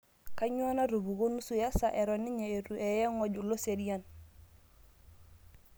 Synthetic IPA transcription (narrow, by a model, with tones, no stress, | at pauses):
ka˦ɲ˦o˦na˦ɾu˨bu˨ɡo˦nu˦su˨ja˦sa˨ʔe˨ɾɔ˨ni˦ɲe˨e˨ɾu˨ʔe˨jɛ˦ŋɔ˦˨ɟu˨lo˦se˨di˦ja˦n